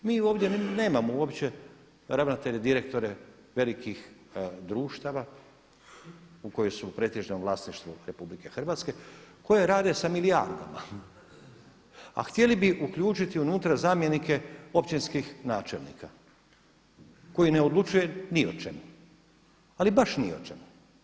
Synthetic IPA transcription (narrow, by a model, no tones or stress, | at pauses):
miːo̞ːʋd̪ʲjene̞ːmamouo̞pt͡ɕe̞ | ɾaʋnat̪e̞ʎed̪iɾe̞k̚t̪o̞ɾe | ʋe̞likixd̪ɾuːʃt̪aʋa | uko̞josupɾe̞t̪ʲiʒnomlˠaːsniʃt̪ʋuɾe̞publike̞xr̩ʋaːt̪ske̞ko̞je̞ɾaːd̪e̞samilia̰ɾd̪a̰ma̰ | a̰xt̪je̞libiʔukʎuːt͡ʃit̪iunuːt̪ɾazaːmje̞nike̞o̞pt͡ɕinskixnaːt͡ʃe̞lnḭkʰa | ko̞jineo̞d̪lˠut͡ʃuje̞niot͡ʃemu | alibaʃnio̰t͡ʃemu